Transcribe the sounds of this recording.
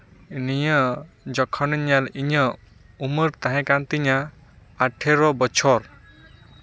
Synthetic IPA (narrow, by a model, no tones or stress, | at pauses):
nijə | d͡ʒɔkʰɔnɯɲaliɲə | umɯɾt̪aɦɛ̃kant̪iɲaː | ʈʰeɾɔbɔt͡ʃʰɔɾ